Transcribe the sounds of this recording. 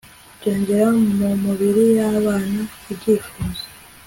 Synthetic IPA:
ɟeːɲɟeɾaŋumumuβiɾijaβaːnaibɟiːfuːze̥

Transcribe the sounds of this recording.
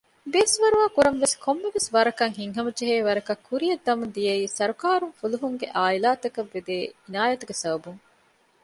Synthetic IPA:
beːsʋɐɾuʋaːkuɾɐmʋeskʰomːeʋesʋɐɾɐkɐŋɦiŋɦɐmɐd͡ʒeɦeːʋɐɾɐkɐkʰːuɾijɐd̪ːɐmund̪ijɐiːsɐɾukaːɾuŋfuluɦuŋɡeʔaːilaːt̪ɐkɐʋːed̪eːinaːjɐt̪uɡesɐbɐbuŋ

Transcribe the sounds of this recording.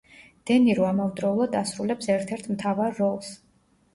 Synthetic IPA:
d̪̥ɛniɾɔamɔmd̪ɾɔulˠad̪asɾulɛpsɛɾt̪ʰɛɾt̪ʰmt̪ʰavaɾːɔlˠs

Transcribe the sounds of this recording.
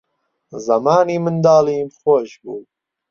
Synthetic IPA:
zɐmɑːniːmɨnd̪ɑːliːmχoʃbṵː

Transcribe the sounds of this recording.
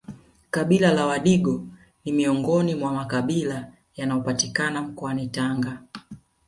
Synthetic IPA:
kaɓilalawaɗiɡɔ | nimiɔŋɡɔnimwamakaɓila | janajɔpatikanam̩kɔanitaŋɡa

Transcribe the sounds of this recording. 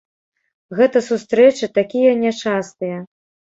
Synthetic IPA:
ɣɛt̪ɐsust̪ɾɛt͡ʂɨt̪akʲijɐnʲɛt͡ʂast̪ɨjɐ

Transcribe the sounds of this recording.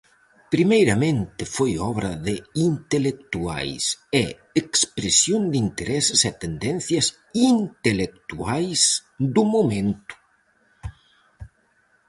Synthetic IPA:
pɾimejɾɐmẽnt̪ɪfojɔβɾɐðeint̪elekt̪ua̰jsɛ | ekspɾesjond̪int̪eɾɛsɪsɛt̪end̪ɛnθjɐs | int̪elek̚t̪uajsd̪umomẽnt̪u̥

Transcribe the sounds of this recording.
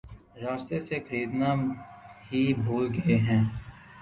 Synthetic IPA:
ɾaːst̪esexəɾiːd̪naːɦibʱoːlɡɐeɦɛ̃ː

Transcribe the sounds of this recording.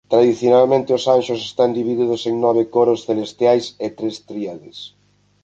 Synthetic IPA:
t̪ɾaðiθjonalmẽnt̪ɪʊsanʃʊsest̪and̪iβiðiðʊseŋnɔβ̞ekoɾosθelest̪jajset̪ɾest̪ɾiaðes

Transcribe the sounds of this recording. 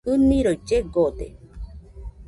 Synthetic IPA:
ɯnĩɾojd͡ʒeɡod̪ḛ

